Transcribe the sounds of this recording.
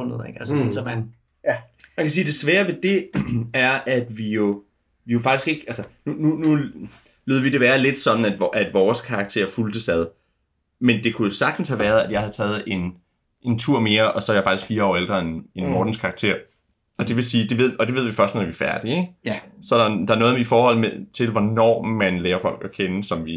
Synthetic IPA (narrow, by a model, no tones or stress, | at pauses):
n̰ð̩ˠeɡ̥ælssn | mænkʰæs̬iːd̥e̝sʋɛːɐʋe̝d̥e̝æɐæd̥ʋijo̝ | ʋijo̝fɑ̈ɡ̥isɡ̥e̝ɡ̥ælsənununu | lyːðˠʋid̥e̝ʋæːɐle̝d̥sɒ̽d̥n̩æd̥ʔæd̥ʋɒːskʰɑ̈ɡ̥̚t͡sʰe̝ɐ̰fuld̥əsæð̞ˠ | mend̥e̝kʰuosɑ̈ɡ̥d̥n̩shæʋæɐð̞ˠæd̥jɑ̈ɪhæðˠt͡sʰɛːð̩ˠe̝n | ʔe̝nt͡sʰuɐ̰me̝ːɐɒ̽sɒ̽æjɪfɑ̈ɡ̥isɡ̥fiːɐɒ̰ːeld̥ʁɐe̝ne̝nmɒːd̥n̩skʰɑ̈ɡ̥t͡sʰe̝̰ɐ̰ | ɒ̽d̥e̝ʋe̝siːd̥e̝ʋe̝ð̞̰ˠɒ̽d̥e̝ʋe̝ð̞̰ˠʋifɶɐsd̥noð̩ˠʋifæɐd̥ieɡ̥sɒ̽ɾɑd̥ɑ̈æɐnɔ̽ːð̞̩ˠifɒːhɒ̽l̰met͡sʰe̝lʋɒnɒ̰ːmænlɛːɐfɒ̽l̰ɡ̥ɒkʰenəsɒ̽mʋi